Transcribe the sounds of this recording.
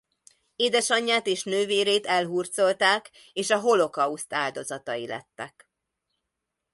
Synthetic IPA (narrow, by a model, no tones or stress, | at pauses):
eːd̪ɛʃɒɲːaːt̪eːʃnøːveːɾeːt̪ɛlɦuːrt̪so̞lt̪aːk | eːʃɒɦo̞lo̞kɒust̪aːld̪o̞zɒt̪ɒjilɛ̰t̪ːɛk